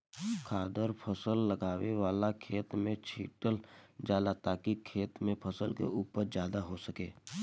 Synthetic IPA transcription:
kʰaːd̪əɾpʰəsəlːəɡaːweʋaːlakʰeːt̪mẽt͡ʃʰiːʈəld͡ʒaːlat̪aːkikʰeːt̪mẽpʰəsəlkḛuːpəɾd͡ʒjaːd̪aɦosəkeː

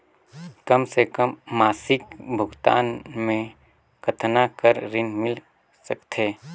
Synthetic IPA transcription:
kɐmsekəmːaːsɪkbʱʊɡt̪a̰ːnmẽ | kət̪ʰnakəɾɾɪnmɪl | səkt̪ʰeː

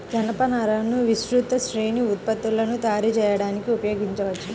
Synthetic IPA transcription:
d͡ʒɐnɐpɐnɐɾɐnuʋisɾut̪ɐʃɾeːniut̪̚pɐt̪ːulɐnut̪aːɾit͡ʃɛːjɐɽaːnikiupɐjoːɡiɲt͡ʃɐʋɐt͡ʃːɐ

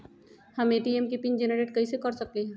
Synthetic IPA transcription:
hɐmeːʈiɛmkipind͡ʒɛnəɾeːʈ̚kɐisekɐɾsɐkliɦɛ̃ː

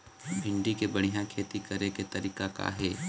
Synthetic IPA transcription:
bʱɪ̃ɳɖikebɐɽ̤̃ijãkʰeːt̪ikɐɾeket̪ɐɾiːkaka̰ɦɛː

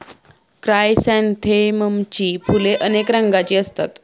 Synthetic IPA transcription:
kɾajsɛnt̪ʰeməmt͡ɕiːpʰuleʔənekɾaŋɡat͡ɕiːəst̪a̰t̪

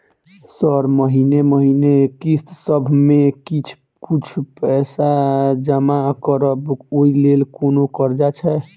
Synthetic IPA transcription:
səɾməɦineməɦinekist̪səbʱmẽkit͡ʃʰ | kut͡ʃʰpɛsad͡ʒəmakəɾəboilelkonokəɾd͡ʒat͡ʃʰɛ

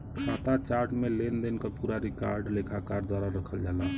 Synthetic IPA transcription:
sat̪at͡ʃaɾʈmelend̪enkəpuɾaɾikaɾɖlekʰakaɾd̪waɾaɾəkʰəld͡ʒala

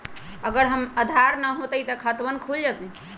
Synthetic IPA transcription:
əɡəɾɦəməd̪ʱaɾnəɦot̪əjt̪əkʰət̪bənkʰuld͡ʒat̪ĩ

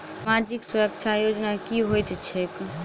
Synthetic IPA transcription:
mad͡ʒiksuɾək̚t͡ʃʰajod͡ʒnakiɦojt̪t͡ʃʰek

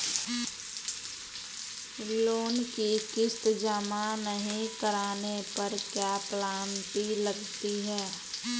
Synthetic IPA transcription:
loːnkikɪst̪d͡ʒəmanəɦĩkəɾaːnepəɾkjaːplaːnpiləɡt̪iɦɛː

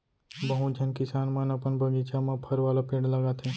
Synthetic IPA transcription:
bɐɦũd͡ʒʱɐnkɪsaːnmanɐpənbɐɡit͡ʃamãpʰɐɾʋaːlapẽːɽlɐɡaːt̪ʰɛ̃ː

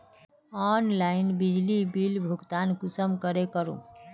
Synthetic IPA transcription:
ɔnlainbid͡ʒlibilbʱuɡt̪ankusəmkəɾekəɾṵ̃

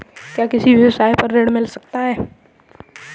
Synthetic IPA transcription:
kjaːkɪsibʱjɐʋəsaːepɐɾːeːɽmɪlsɐk̚t̪aɦɛː

